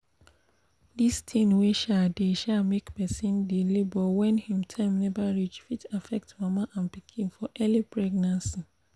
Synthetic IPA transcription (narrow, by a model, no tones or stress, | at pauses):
distʰĩnweʃadeʃamekpɛsĩndilibɔwɛ̃nhĩmtʰɛ̃mnɛvaɹit͡ʃfitafɛk̚tmãmaʔãnpikʰĩnfɔʔɛlipʰɹɛɡnãnsi